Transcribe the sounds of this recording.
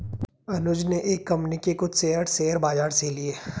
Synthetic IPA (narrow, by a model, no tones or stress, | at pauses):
ɐnʊd͡ʒneʔeːkːɐ̃mpnikekʊt͡ʃʰseːəɾseːəɾbaːd͡ʒaːɾselieː